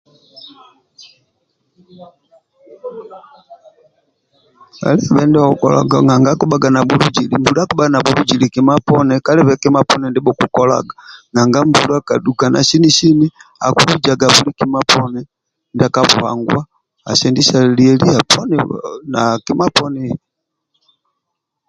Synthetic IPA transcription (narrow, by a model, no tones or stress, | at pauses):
ka̰liβɛndɛaukɔ̰la̰ɡaŋɡaŋɡakuɓaɡanabulud͡ʒilimbuɾakuɓaɡanabulud͡ʒilikimapɔnɛkaliβɛkimapɔnɛndiɓɔkukɔla̰ɡaŋaŋɡambuluakaduɡana̰ʃiniʃinia̰kuid͡ʒaɡaβulikimapɔnɛ | ndakapuha̰ŋɡwa | a̰sɛndiʃaliɛliapʰɔnɛnakimapɔnɛ